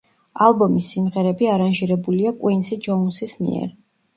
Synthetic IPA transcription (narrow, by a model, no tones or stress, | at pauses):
alˠbɔmisːimʁɛɾɛbiaɾanʒiɾɛbuliakʼwinsid͡ʒɔunsismḭɛ̰ɾ